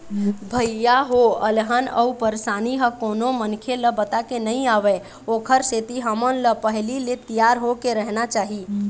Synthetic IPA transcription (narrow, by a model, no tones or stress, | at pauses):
bʱəjːaɦoəlɦənə̰upəɾsaniɦəkonomənkʰeləbət̪akenəĩaʋɛ | okʰəɾset̪iɦəmənləpəɦlilet̪ijaɾɦokeɾəɦnat͡ʃaɦi